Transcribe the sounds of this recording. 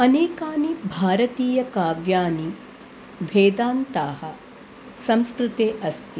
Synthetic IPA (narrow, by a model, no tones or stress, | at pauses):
ɐneːkaːnibʱaːɾɐt̪iːjɐkaːʋjaːni | ʋʱeːd̪aːnt̪aːɦɐ | sɐmskɾut̪eːʔɐst̪i